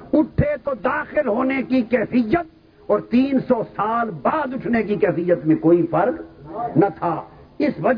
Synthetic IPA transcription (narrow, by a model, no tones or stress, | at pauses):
ʊʈʰek̪od̪aːxɪlɦoːnekikɛːfɪjːət̪̚ | ɔːɾt̪iːnsɔsaːlbaːd̪ʊʈʰnekikɛːfijːət̪mẽkoːifɐɾknɐt̪ʰaːɪsʋɐd͡ʒ